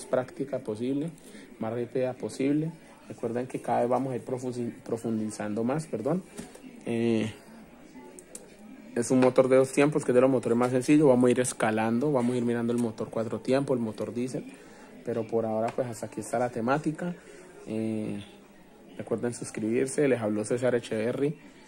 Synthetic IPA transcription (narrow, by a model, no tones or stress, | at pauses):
aspɾakt̪ikapo̞siβle̞ | masripiðapo̞siβle | rekwe̞ɾd̪eŋke̞kaðae̞zbamosaiɾpɾofpɾo̞fund̪isand̪o̞maspe̞ɾd̪o̞n | e | esunmo̞t̪o̞ɾd̪e̞ðost̪je̞mposke̞d̪elo̞mot̪o̞ɾemas̬e̞nsiʝoβamosaiɾe̞skaland̪o̞βamosaiɾmiɾand̪oelmo̞t̪o̞ɾkwat̪ɾo̞t̪je̞mpoelmo̞t̪o̞ɾd̪is̬el | pe̞ɾo̞po̞ɾao̞ɾapwe̞sast̪akiest̪alat̪e̞mat̪ika | e | rekwe̞ɾd̪ensuskɾiβiɾse̞le̞saβloses̬aɾet͡ʃeeri